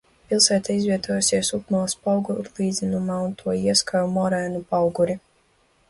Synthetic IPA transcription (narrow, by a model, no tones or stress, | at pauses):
pilˠsæːt̪aizvʲiɛt̪uɔjusiɛsupmalspawɡuɾlˠiːd̪zʲinumaːunt̪ʰuɔiɛskajumɔɾɛːnupawɡuɾi